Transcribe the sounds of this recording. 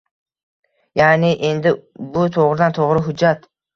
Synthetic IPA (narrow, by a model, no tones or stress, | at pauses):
janɪʔe̞nd̪ɪbʊt̪ʰoʁɾɪd̪ant̪ʰoʁɾɪɦʊd͡ʒːat̪